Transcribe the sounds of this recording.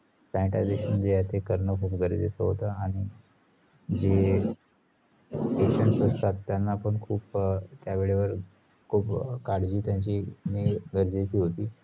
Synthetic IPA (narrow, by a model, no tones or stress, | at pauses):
sãjʈad̪eɕənd̪ejat̪ekəɾɳəkʰuːpɡʱəɾedet̪əɦot̪əaɽ̃i | d͡ʑe | eɕənsəst̪at̪ːjanːaːpəɳkʰuːpt̪jaʋeɭeʋəɾ | kʰuːpkaɽd͡ʑiːt̪jãɲt͡ɕineɡəɾd͡ʑet̪iːɦot̪iː